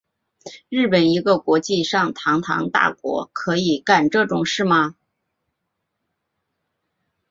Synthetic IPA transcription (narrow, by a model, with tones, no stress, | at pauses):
ɻɻ̩˥˩pə˨˩ni˧˥ɡə˧kwɔ˧˥t͡ɕi˥˧ʂɑ˥˩ŋt̪ʰɑ˧˥ŋt̪ʰɑ̰˧˥ŋt̪a̰˥˩kwɔ̰˧˥kʰɤ˧˥i˨˩ka˨˩nʈ͡ʂɤ˥˩ʈ͡ʂʊ˨˩ŋʂɻ̩˥˩mɐ˩